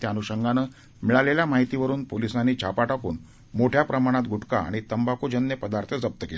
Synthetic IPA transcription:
t̪januɕəŋɡanəː | miɭaleljamaɦit̪iʋəɾuːnpolisãnːiːt͡ɕʰapaʈakṵːn | moʈʰjapɾəmaɽ̃at̪̚ɡʱuʈka̰ːɽ̃it̪əmbakud͡ʑənːəpəd̪aɾt̪ʰəd͡zəp̚t̪əkel

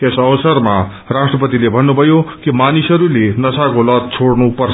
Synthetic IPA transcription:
esʌʋʌsʌrma | rasʈrʌpʌt̪ilebʱʌnːubʱʌjokimanisʌɾulenʌsakolʌt̪̚t͡sʰoɽnupʌrʰ

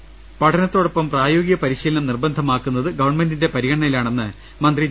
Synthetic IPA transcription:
pɐʈʰɐnɐt̪ːo̞ːɽɐpːɐmpraːjo̞ːɡijɐpɐɾiɕiːlɐnɐmnirbɐnd̪ʱɐmaːkːunːɐðɨɡɐʋɐrɳme̞ndinde̞pɐɾiɣɐɳɳɐjilaːɳenːɨ | mɐnd̪ri

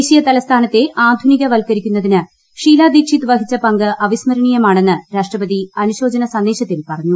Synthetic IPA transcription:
ɕijɐt̪ɐlɐst̪ʰaːnɐt̪ːe̞ʔaːd̪ʱuniɣɐʋɐlkɐɾikʲːunːɐðinɨ | ʂiːlaːd̪iːkʂit̪ːɨʋɐɦit͡ɕːɐpɐŋɡɨʔɐʋismɐɾɐɳijɐmaːɳe̞nːɨɾaːʂʈrɐpɐðiɐnuɕo̞ːd͡ʑɐnɐsɐnd̪e̞ːɕɐt̪ːilpɐrɐɲːu

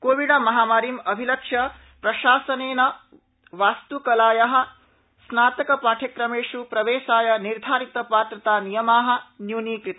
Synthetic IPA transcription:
koːʋiɖɐmɐɦaːmaːɾiːmɐbʱilɐkʂjɐ | pɾɐʃaːsɐneːnɐ | ʋaːst̪ukɐlaːjɐɦɐ̆ | snaːt̪ɐkɐpaːʈʰɐkɾɐmeːʂupɾɐʋeːʃaːjɐniɾd̪ʱaːɾit̪ɐpaːt̪ɾɐt̪aːnijɐmaːɦɐ̆njuːniːkɾit̪ː

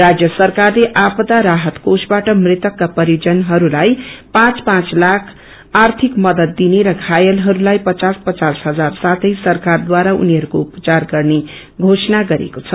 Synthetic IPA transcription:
rad͡zjʌsʌrkarleʔapʌt̪aɾaɦʌt̪kosbaʈʌmrɪt̪ʌkːapʌɾijod͡zʌnɦʌɾulajpãt͡spãt͡slakʰ | art̪ʰikmʌd̪ʌt̪̚ːineɾʌɡʱajʌlɦʌɾulajpʌt͡saspʌt͡sasɦʌd͡zarsat̪ʰʌjsʌrkard̪waɾaṵniɦʌɾukoupə̥t͡sarɡʌrne | ɡʱosnaɡʌɾḛkot͡sʰʌ

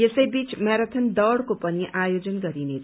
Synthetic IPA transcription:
jesʌjbit͡smaɾʌt̪ʰʌnd̪ʌɽkopʌniʔʔajod͡zʌnɡʌɾinetʰ

